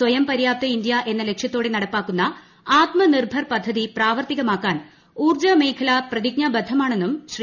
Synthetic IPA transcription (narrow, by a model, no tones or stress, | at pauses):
sʋɐjɐmpɐɾjaːp̚t̪ɐind̪jɐʔe̞nːɐle̞kʂjɐt̪ːo̞ːɽe̞nɐɽɐpːaːkːunːɐ | aːt̪mɐnirbʱɐrpɐd̪ʱːɐðipraːʋɐrt̪iɣɐmaːkːaːn | uːrd͡ʑɐmeːkʰɐlaprɐðiɡ̚ɲɐbɐd̪ʱːɐmaːɳe̞nːumɕri